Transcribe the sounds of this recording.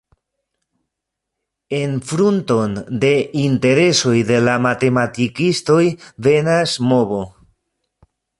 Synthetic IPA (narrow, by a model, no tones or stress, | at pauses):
e̞nfɾunto̞nde̞inte̞ɾe̞so̞jde̞lamate̞matikisto̞jve̞nasmo̞βo̞